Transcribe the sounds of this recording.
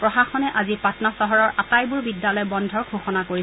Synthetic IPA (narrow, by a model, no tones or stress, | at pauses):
pɹɔxaxɔnɛʔazipatnasɔɦɔɹɔɹʔatajbuɹbidjalɔjbɔndʱɔɹkʰoxɔnakoɹi